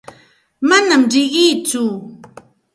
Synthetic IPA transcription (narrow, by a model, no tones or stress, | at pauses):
manamɾɪɢɪjt͡sʊ